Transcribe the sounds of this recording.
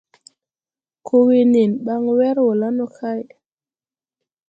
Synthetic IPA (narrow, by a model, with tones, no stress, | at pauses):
kʰo˦we˦ne˨nɓa˦ŋwɛ˦ɾwo˨la˦nɔ˦˨kʰa˦j